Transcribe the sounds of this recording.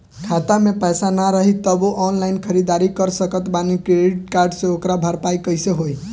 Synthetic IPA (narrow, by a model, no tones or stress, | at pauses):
kʰat̪amepəjsanaɾəɦit̪əboʔɔnlaɪnkʰəɾid̪aɾikəɾsəkət̪banikɾeɖiʈ̚kaɾɖsẽokɾabʱəɾpajkəjseɦoj